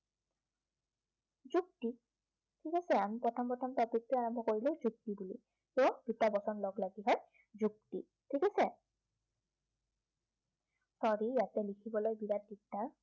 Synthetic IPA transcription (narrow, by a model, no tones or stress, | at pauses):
zuk̚ti | tʰikasɛamipɹɔtʰɔmpɹɔtʰɔmtɔpɹik̚tɛaɹɔmbʱɔkoɹileʊzuk̚tibuli | kɔd̥itabɔsɔnlɔɡlaɡiɦɔj | zuk̚tḭ | tʰikasɛ | sɔɹijatɛlikʰibɔlojbiɹat̚ditːa